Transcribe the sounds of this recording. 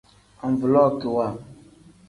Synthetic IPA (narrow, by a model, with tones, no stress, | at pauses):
a˨ɱ˨vu˨lɔ˦˨ku˨wa˦˨